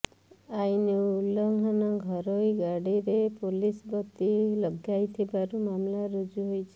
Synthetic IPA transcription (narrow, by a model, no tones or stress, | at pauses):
aineulɔŋɡʱanɔɡʱɔɾojɡaɽiɾepolisbɔt̪ilɔɡʱjajt̪ʰibaɾumamlaɾud͡ʒuɦojt͡ʃʰe̥